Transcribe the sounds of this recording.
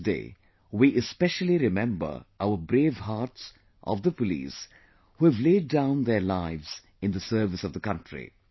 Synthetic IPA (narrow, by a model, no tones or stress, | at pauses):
dḛː | wiʔɪspɛʃəl̩iɾɪmɛ̃mbə̰˞aʊəbɾeːvɦaːʈs | ʔɔ̰vd̪əpʊlḭːs | huɛvleɪdːãʊ̃nd̪əɾlaɪvz̥ | ɨ̃nd̪əsɜːvɨsɔvðəkʌ̃ntɹḭ